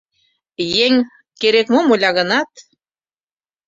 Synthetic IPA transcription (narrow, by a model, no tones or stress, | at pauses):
jeŋ | keɾekmomolʲɑɣɤ̆nɑt̪